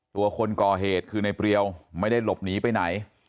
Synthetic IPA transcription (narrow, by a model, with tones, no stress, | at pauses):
t̪u˧ɐkʰo˧nkɔː˨˩ɦeː˨˩t̪̚kʰɯː˧na˧jpɾi˧əwma˥˩jda˥˩jlo˨˩p̚niː˦˥pa˧jna˩˦j